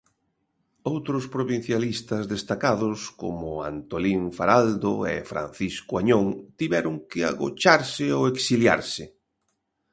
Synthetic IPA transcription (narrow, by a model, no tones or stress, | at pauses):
owt̪ɾʊspɾoβin̟θjalist̪ɐzðest̪akaðʊsko̰mʊa̰nt̪oliɱfaɾald̪oḛfɾa̰n̟θiskʊaɲoŋt̪iβɛɾʊŋkɪa̰ɣo̰t͡ʃaɾsɪoeksilja̰ɾsɪ